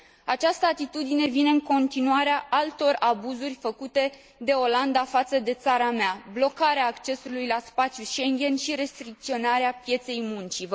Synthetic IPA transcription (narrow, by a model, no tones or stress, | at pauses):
at͡ʃast̪əat̪it̪ud̪ine̞vine̞ɨŋko̞nt̪inuaɾeaʔalt̪o̞rabuzurʲfəkut̪e̞ | d̪e̞o̞land̪afat̪səd̪e̞t̪saɾameablo̞kaɾeaːkt͡ʃe̞sulujlaspat̪sʲjuʃe̞ŋɡʲe̞nʃiɾe̞st̪ɾik̚t̪sio̞naɾeapje̞t̪se̞jmunt͡ʃiv